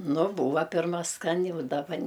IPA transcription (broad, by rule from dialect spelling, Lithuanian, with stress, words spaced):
ˈnʊ ˈbuːʋɐ ˈpʲɪrmɐ ˈskɑːnʲɪ ʊ dɐˈbɐ